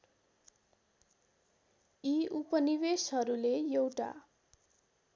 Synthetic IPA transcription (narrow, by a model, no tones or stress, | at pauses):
iupʌnibesɦʌɾulejewʈa̰